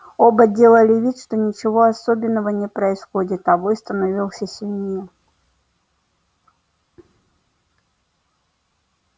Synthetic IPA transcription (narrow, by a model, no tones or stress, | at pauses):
o̞bədʲe̞lˠəlʲɪvʲit̪ʂt̪o̞nʲɪt͡ɕɪvo̞ɐsobʲɪnːəvənʲɪpɾəɪsxodʲɪt̪ɐvojst̪ənɐvʲilˠsʲəsʲɪlʲnʲeə